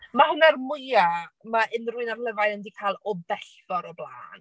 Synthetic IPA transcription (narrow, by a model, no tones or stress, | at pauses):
mahənarmʊɨamaʔɪnrʊɨnarlˠəvajnəndikʰaːlˠɔbɛɬvɔɾɔblˠa̰ːn